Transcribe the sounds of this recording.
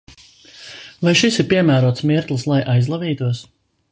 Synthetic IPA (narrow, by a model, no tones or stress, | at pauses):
vajʃisiɾpiɛmæːɾuɔt̪smiɾt̪lˠɨslˠajʔajzlˠaviːt̪uɔs